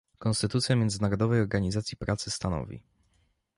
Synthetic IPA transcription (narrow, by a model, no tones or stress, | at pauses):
kɔ̃nst̪ɘt̪ut̪sʲjamjɛnd̪zɘnaɾɔd̪ɔvɛjɔɾɡaɲizat̪sʲjipɾat̪sɘst̪anɔ̰vʲḭ